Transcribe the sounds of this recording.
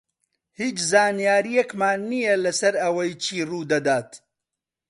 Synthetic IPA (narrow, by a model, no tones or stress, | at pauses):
hiːt͡ʃzaːnijaːɾijɛkmaːnːijelɐsɐɾɐwɐjt͡ʃʰiːruːd̪ɐd̪aːt̪